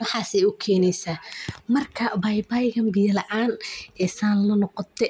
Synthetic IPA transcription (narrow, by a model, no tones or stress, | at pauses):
wɑħaːsɛjʊkʰɛːnɛjsaːmɐrkʰɐbɐjbajɣɐmbɪjɐlɐʔaːnʔɛsaːnlɐnɔqɔt̪ʰɛ